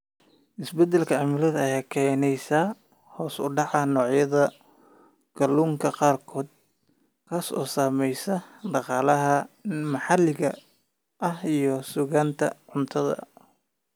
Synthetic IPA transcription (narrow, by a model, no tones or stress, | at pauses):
ʔɪsbɛd̪ɛlkʰɐʕamɪlɐðɐɐjaːkʰɛːnɛjsaː | hɔːsʊ̰ɖɑʕɑnɔːʕjɐðɐ | ɡ̥ɐluːŋkʰɐqɑːrkʰɔːd̪̚ | kʰɐsɔ̰ːsaːmɛjsɐɖɑqɑːlɐɦɐmɐħɑlɪɣɐ | ʔɐhijɔsʊɣaːnt̪ʰɐ̰ʕʊnt̪ʰɐðɐ̰